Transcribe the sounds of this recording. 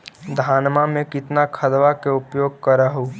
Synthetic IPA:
d̪ʱaːnmamẽkɪt̪nakʰəd̪ʋakeʊpjoːɡ̚kəɾəɦo

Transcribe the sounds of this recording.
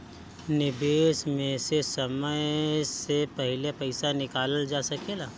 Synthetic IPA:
nɪbeːsmẽsesɐməjsepɐɦɪlepɐɪsanɪkaːləld͡ʒaːsɐkelaː

